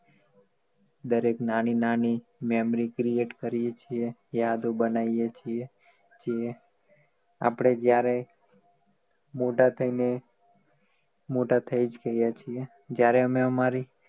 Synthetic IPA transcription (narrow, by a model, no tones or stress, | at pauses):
d̪əɾeknañinanimɛmɾikɾieʈkəɾijet͡ʃʰiejad̪obənaijet͡ʃʰie | t͡ʃʰie | a̰pɽ̃ed͡ʒjaɾe | moʈat̪ʰəine | moʈat̪ʰəid͡ʒɡəɦjat͡ʃʰie | d͡ʒjaɾeəmeəmaɾi